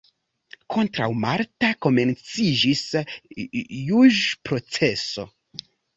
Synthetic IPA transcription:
kʰo̞ntɾawmaɾtako̞me̞nt͡sid͡ʒis | juʒpɾo̞t͡se̞so̞̰

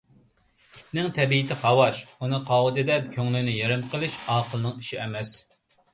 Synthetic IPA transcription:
nɪŋt̪ʰɛbiɪt̪ʰɪχɑwɑʃunɨqʰɑwɨd̪ɨd̪ɛp̚kʲʰøŋlɪnɪjeɾɪmqʰəlˠɨʃɑːqʰəlˠnɨŋiʃiɛmɛs

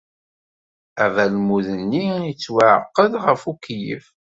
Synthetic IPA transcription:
ævælmuðənːiit͡sːwaʕə̰qːəðʁəfukjə̰f

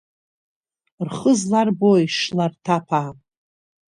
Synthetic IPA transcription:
rχəzlarbojʂlartʰapʰaː

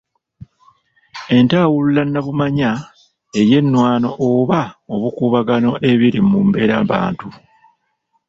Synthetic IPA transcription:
e̞ntaːwululanːaβumaɲa | e̞je̞nːwaːno̞ʔoβaoβukuːβaɡano̞ʔe̞βiɾimumbe̞ɾaβa̰ːntu

